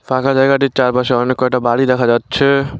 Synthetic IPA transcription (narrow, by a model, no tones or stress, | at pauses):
pʰãkʰad͡ʒaeɡaʈit͡ʃaɾpəseɔɾnekɔʈabaɽid̪ekʰad͡ʒaːt̪ːt͡ʃʰɛ